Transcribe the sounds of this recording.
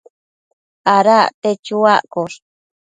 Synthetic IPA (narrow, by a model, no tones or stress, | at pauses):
aɾaʔt̪et͡ʃuaʔkoɾ